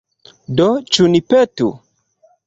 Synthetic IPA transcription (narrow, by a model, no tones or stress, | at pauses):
dot͡ʃunipetṵ